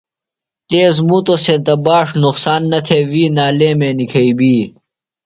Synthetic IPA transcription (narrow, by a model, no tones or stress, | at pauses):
t̪eːzmut̪osẽt̪ɐbaːʂnuqsaːnːɐt̪ʰeːwiːnaːleːmeːnikʰɐibiː